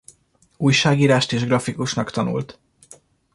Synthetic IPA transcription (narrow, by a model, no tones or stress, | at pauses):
uːjʃaːɡiːɾaːʃt̪eːʒɡrɒfikuʃnɒkt̪ɒnṵlt̪